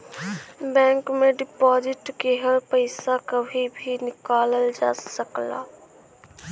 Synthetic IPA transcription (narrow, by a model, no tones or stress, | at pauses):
bɛ̃ːŋkmẽɖɪpɔːd͡ʒɪʈkeɦəlpəɪsakəbʱibʱinɪkaːləld͡ʒa̰ːsəkla̰ː